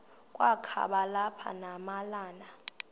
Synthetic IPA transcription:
kʼwakʰa̰ɓalapʰa̰namalaːna

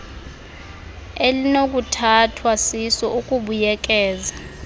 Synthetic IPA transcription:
elinok̬ʼutʰatʰwasisɔukʼuɓujɛk̬ʼɛːza

